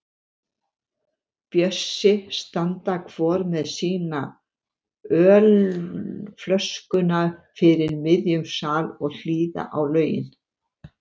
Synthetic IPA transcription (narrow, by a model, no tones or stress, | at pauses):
pjœsːɪst̪ant̪akʰv̥ɔːɾmɛðsiːna | œːl | flœskʏnafɪɾɪɾmɪðjʏmsaːlɔɣl̥iːða̰ʔawlœːɥjɪ̰n